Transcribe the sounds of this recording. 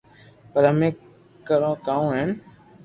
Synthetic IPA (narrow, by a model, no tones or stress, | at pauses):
pəɾəmẽː | kəɾõːkaːũːɦeːn